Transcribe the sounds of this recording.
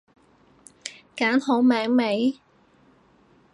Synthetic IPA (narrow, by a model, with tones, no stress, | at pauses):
kaː˨˥nho˨˥wmɛː˨˥ŋme˨˥j